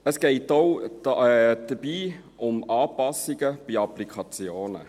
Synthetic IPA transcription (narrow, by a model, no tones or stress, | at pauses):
əsɡ̥ɛɪtoʊ | d̥əb̥iː | ʊmɑːpɑsɪɡəb̥iɑplikʰɑt͡sjoːnə̰